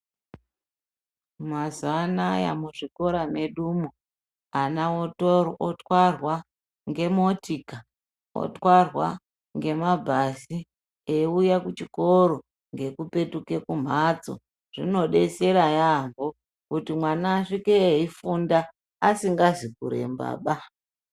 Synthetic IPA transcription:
mazanaja̰muʐiko̞ɾame̞ɗumo | anaotorotwarwa | ŋɡe̞motika | o̰twarwa | ŋɡe̞mabʱasi | eujakut͡ʃiko̞ɾo̞ | ŋɡe̞kupe̞tukekum̤at͡so̰ | ʐ̥ino̞ɗe̞se̞ɾajambo | kutimwanaːʂikeifundaː | siŋɡazikṵɾe̞̰mba̰ːɓa

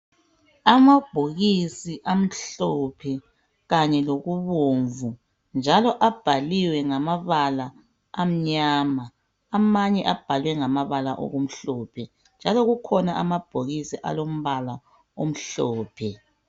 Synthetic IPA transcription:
amab̥ʱoɣisiʔam̩ɬɔpʰɛ | ɣaɲɛloɣuβoːɱvu | nd͡ʒʱalɔʔab̥ʱaliwɛŋamaβalaː | m̩ɲaːma | amaɲɛʔab̥ʱalwɛŋamaβalaʔo̰ɣum̩ɬɔːpʰɛ | nd͡ʒʱalɔɣukʰɔnaʔamab̥ʱoɣisiʔa̰lom̩βala | om̩ɬɔːpʰɛ

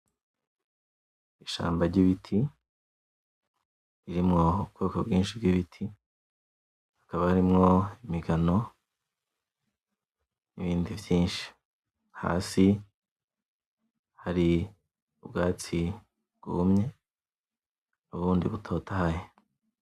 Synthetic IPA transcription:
iʃa̰ːmbaɾɟiβitʰi | iɾimŋo̞ukokabɡiːnʃib̚ɡiβitʰi | hakaβahaɾimŋo̞imiɡano̞ | niβiːndivjiːnʃi̥ | ha̰ːsi | haɾi | ubɡaːt͡si | ɡ̥ṵumɲe̞ | nuβuːndiβutʰo̞tʰahaje

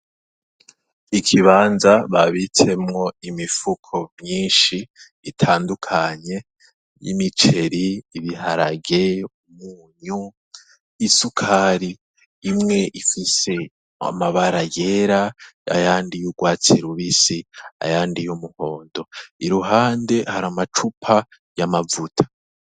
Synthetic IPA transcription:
ikʰiβaːnzaβaβitʰe̞mŋo̞imifukʰo̞mɲiːnʃiː | tʰaːndukʰaɲe̞ | jḭmit͡ʃe̞ɾiːβihaɾa̰ɡeumuːɲu | isukʰaɾiː | mŋe̞ʔifise̞ | a̰maβaɾajeɾaa̰jaːndijuɡwaːt͡siɾuβisia̰jaːndijumuho̞ːndo̞iɾuɦaːnde̞haɾamat͡ʃupʰa | jamavutʰḁ

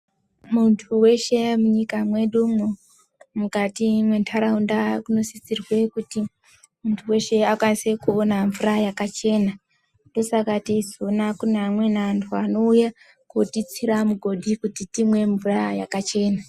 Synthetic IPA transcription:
muntʰuwe̞ʃe̞muɲikamwe̞ɗumu | mukatimwe̞ntʰaɾaundakuno̞sisirwe̞kuti | muntʰuwe̞ʃe̞akwanise̞kuonaɱvurajakat͡ʃe̞ːna | ndo̞sakatizonakunamwe̞nantʰuano̞uja | kutit͡siɾamuɡʱo̞ɗikutitimwe̞ɱvuraja̰kat͡ʃe̞ːna

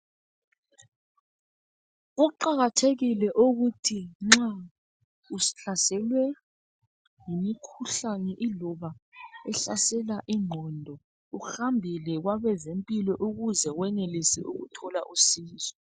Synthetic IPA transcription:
ɣuǃaɣatʰeɣilɛʔuɣutʰiŋ͡ǁa | usi̥ɬasɛlwɛ | ŋimikʰuɬanɛʔilɔβaɛɬasɛlaʔiŋ͡ǃʱɔndʱɔ | uxambʱilɛɣwaβɛzempʼilɔʔuɣuzɛwɛnelisɛ̰ʔṵɣṵtʰɔlaʔusiːzɔ

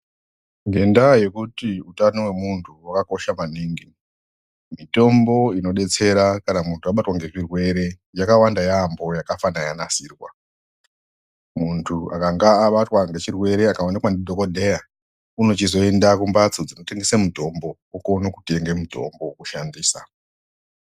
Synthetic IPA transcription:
ŋɡe̞ndaje̞kutiutanowe̞muntʰuwakako̞ʃamaniːŋɡi | mito̞mbo̞ino̞ɗe̞t͡se̞ɾakanamuntʰuaɓatwaŋɡe̞ʐirwe̞ɾe̞ | jakawandajambo̞jakafanajanasiːrwa̰ | muntʰuakaŋɡaːɓatwaŋɡe̞t͡ʃirwe̞ɾe̞akawanikwandidʱokodʱe̞ja | uno̞t͡ʃizo̞e̞ndakumbat͡sod͡zino̞te̞ŋɡesemudʱo̞mbo | okonokute̞ŋɡemudʱo̞̰mbokuʃandiːsa

